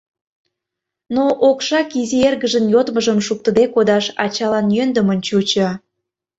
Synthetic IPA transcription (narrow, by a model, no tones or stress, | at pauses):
noʔokʃɑkizierɣəʒənjot̪məʒəmʃuk̚t̪ə̆d̪ekod̪ɑʃɑ̰t͡ɕɑlɑnjønd̪əmənt͡ɕut͡ɕə